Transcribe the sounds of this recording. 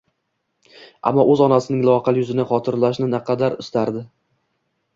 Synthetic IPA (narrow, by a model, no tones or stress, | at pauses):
a̰mːɒʔɵzɒnasɪnɪŋlˠɒqɑljʊzɪnɪχɒt̪ʰɪɾlaʃnɪnaqʰɑd̪aɾɪst̪aɾd̪ɪ